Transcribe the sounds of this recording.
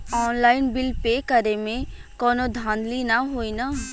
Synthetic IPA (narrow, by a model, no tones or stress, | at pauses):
ɔːnlaːɪnbɪlpeːkəɾemẽ | kɔːnod̪ʱãːnd̪linaɦoːina